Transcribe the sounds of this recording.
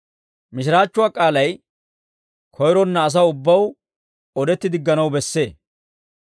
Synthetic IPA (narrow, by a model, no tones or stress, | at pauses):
mɪʃɪɾaːt͡ʃːʊwaːkʼaːlɐj | kʰɔjɾɔnːɐːs̬ɐʊbːɐw | ɔd̪ɛt̪ːɪd̪ɪɡːɐnɐwbɛsːe̞ː